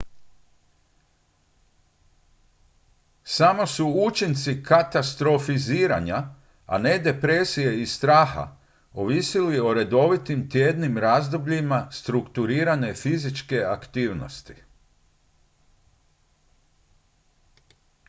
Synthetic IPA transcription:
samo̞suut͡ʃint̪sikat̪ast̪ɾo̞fiziːɾa̰ɲa | a̰ne̞d̪e̞pɾesije̞ist̪ɾaːxa̰ | oʋisilio̞ɾe̞d̪o̞ʋit̪imt̪je̞ːd̪nimɾazd̪o̞bʎimast̪ɾukt̪uɾiːɾane̞fizit͡ʃke̞akt̪iːʋno̰st̪i̥

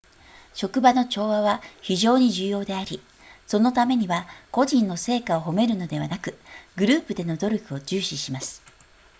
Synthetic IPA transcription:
ɕo̞kɯ̟bano̞t͡ɕo̞ːβaβaçiʑo̞ːɲ̟iʑɨːjo̞ːd̪e̞aɾʲi | so̞no̞t̪ame̞ɲ̟iβako̞ʑĩnːo̞se̞ːkao̞ɦo̞me̞ɾɯ̟no̞d̪e̞βanakɯ̟ɡɯ̟ɾɯ̟ːpɯ̟d̪e̞no̞d̪o̞ɾʲo̞kɯ̟o̞d͡ʑɨːɕiɕimasɨ̥

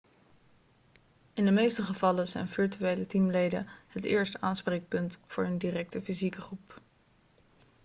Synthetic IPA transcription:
ɪndəmejstəχəv̥ɑləzɛ̰jnvɪɹtyejlətimlejdə̰ɦətɪ̰ːɹstaːnsprejk̚pɵntfʊːɹɦəndiːrɛk̚təfizikəχrup

